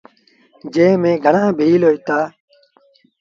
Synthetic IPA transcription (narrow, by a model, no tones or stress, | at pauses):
d͡ʒẽːmẽːɡʱəɳãːbʱiːloːɦt̪aː